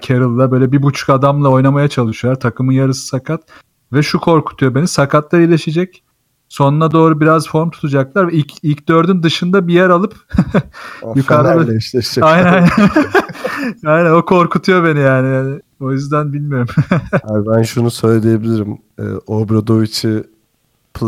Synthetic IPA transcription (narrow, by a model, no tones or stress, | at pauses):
cʰeɾɯlˠːabøjlʲɛbibut͡ʃʰu̥kad̪amlˠao̞jnamajat͡ʃʰalˠɯʃujolˠaɾt̪ʰakʰɯmɯnjaɾɯsɯ̥sakʰat̪ | vɛʃukʰo̞ɾkʰu̥t̪ʰujo̞be̞nisakʰat̪lˠaɾilʲeʃed͡ʒɛc | so̞nunad̪o̞ːɾubiɾazfo̞ɾmt̪ʰu̥t̪ʰud͡ʒaklˠaɾvɛilʲcilʲcd̪ø̞ɾd̪ynd̪ɯʃɯnd̪abijæɾalˠɯp | jukaɾaɛiʃlɛʃd͡ʒɛajnæjn | ajnæno̞kʰo̞ɾkʰut̪ʰujo̞be̞nijaːnijaːnɪ | o̞jyzd̪ænbilʲmijo̞ɾumabænʃunusø̞jlʲed̪ejebilʲiɾim | ɯ̰ːobɾad̪ovit͡ʃʰi | pʰ